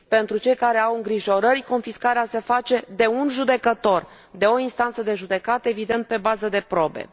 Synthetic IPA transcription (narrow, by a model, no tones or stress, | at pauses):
pe̞nt̪ɾut͡ʃe̞jkaɾe̞awɨŋɡɾiʒo̞ɾəɾʲko̞nfiskaɾease̞fat͡ʃe̞d̪e̞unʒud̪e̞kət̪o̞r | d̪e̞o̞inst̪ant̪səd̪e̞ʒud̪e̞kat̪əevid̪e̞nt̪̚pe̞bazəd̪e̞pɾo̞be̞̰